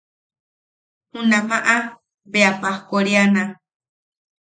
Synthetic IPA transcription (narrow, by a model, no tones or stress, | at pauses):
hũnãmãʔa | beapahkoɾianã